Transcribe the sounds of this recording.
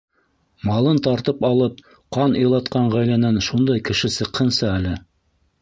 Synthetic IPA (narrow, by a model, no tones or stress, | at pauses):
mɑlˠɤnt̪ɑɾt̪ɤpɑlˠɤp̚ | qɑnɤ̆jlˠɑt̪̚qɑɴʁæjlænænʃund̪ɑjkɘ̆ʃɘsɤ̆qhɤ̆nsɤælɘ